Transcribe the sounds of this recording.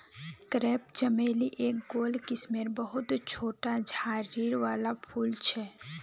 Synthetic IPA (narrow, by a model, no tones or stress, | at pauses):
kɾɛːp̚d͡ʒəmeːliʔeːk̚ɡoːlkɪsmeɾbəɦʊt̪t͡ʃʰoːʈad͡ʒʱaːɾiːɾʋaːlapʰuːlt͡ʃʰɛː